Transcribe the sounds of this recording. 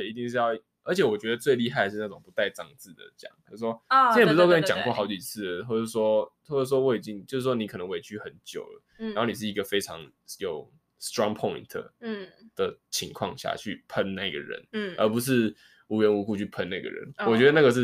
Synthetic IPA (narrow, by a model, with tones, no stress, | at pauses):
i˧t̪i˥˧ŋʂɻ̩˥˧jɑ˥˧ʊ | ə˞˧˥t͡ɕʰjɛ˧˦wɔ˨˩t͡ɕɥɛ˧˥d̪ə˨t͡swe˥˧ɪli˥˧ɦa˥ɪd̪ə˩ʂɻ̩˥˧na˥˩ʈ͡ʂʊ˨˩ŋpu˧˥t̪a˥˧ɪʈ͡ʂɑ˥˧ŋt͡sɹ̩˥˩d̪ə̰˩t͡ɕjɑ̰˨˩˦ŋo˥˩s̩˥˩ʂwɔ˦˥˨p̩ː˧˨˧kə˥ni˧˥t͡ɕɑ˨˩ŋkwxɑ˧˥ʊt͡ɕi˨˩t͡sʰɹ̩˥˩ə˩xwɔ˥˩ʂ̩˥˧˩ʂwɔ˦˥xwɔ˥˩ə˩˥˩wɔ˥wɔ˥˩i˨˩t͡ɕi˥˦ŋt͡ɕjo˥˧ʊʂ̬ɻ̩˥˩ʂwɔ˥ni˨˥kʰɤ˨˩nə˧˦ŋwe˧˥ɪt͡ɕʰy˥xə˧˦nt͡ɕjo̰˨˩ʊdə̰˦ɻa˥ho˥˩ni˨˩ʂ̬̩˥˩i˧ɡə˨fe˥ɪʈ͡ʂʰɑ̰˧˦ŋ | jo˨˩ʊ | st̪ɹɑ˦ŋpʰɔ˥˨ḭ̃˨nt̪ʰd̪̥ə˨˩t͡ɕʰi˧˥ŋkʰwɑ̰˥˧ŋɕja̰˥˧˩t͡ɕʰy̰˥˩pʰə˦nna˥˩ḭ˦˥ɡə̰˨˩ɻə̰˧˦nə̰˧˥pu˧˥ʂ̬ɻ̩˥˩ | u˧˥ɥɛ˧˦˥nu˧˥ku˥˧t͡ɕʰy˥˩pʰə˦na˥˩ɡə̰˩ɻə̰˧˦nwɔ˨t͡ɕɥɛ˧˥d̪ə˧na˥˩ɡə˩ʂ̬ɻ̩˥˩